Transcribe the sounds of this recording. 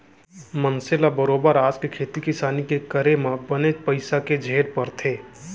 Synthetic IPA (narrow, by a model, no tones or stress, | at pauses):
mənsɪlabəɾoːbəɾaːd͡ʒkekʰeːt̪ikɪsaːnikekəɾemãbənepəɪsaked͡ʒʱeːɾpəɾt̪ʰeː